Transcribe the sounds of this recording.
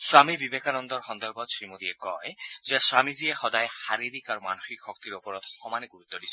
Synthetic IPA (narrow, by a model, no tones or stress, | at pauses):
swamibibekanɔnd̪ɔɾxɔnd̪ɔɾbɔd̪sɹimod̪iekɔjzeaswamiziexɔd̪ajhaɾiɾikaɾumanoxikxɔk̚t̪iɾopɔɾɔt̪xɔmaniɡuɾut̪ːɔdisʰɛ